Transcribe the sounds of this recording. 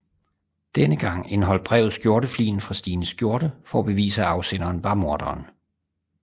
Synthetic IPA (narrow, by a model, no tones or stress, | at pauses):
d̥enəɡ̥ɑ̈ŋ̰enɦɒ̽l̰̥̚b̥ʁɛʊð̞̩ˠsɡ̥jo̝ɐɾ̥əflḭːn̩fʁɑ̈sd̥iːnəsɡ̥jo̝ɐɾ̥əfɒ̰æb̥e̝ʋḭːsəæɑ̈ʊsen̰ɐːnʋɑ̈mo̝ɐd̥ɐːn